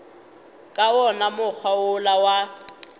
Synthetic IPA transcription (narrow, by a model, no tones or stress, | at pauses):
kʼaɔnamʊk͡xʰwaʊlawa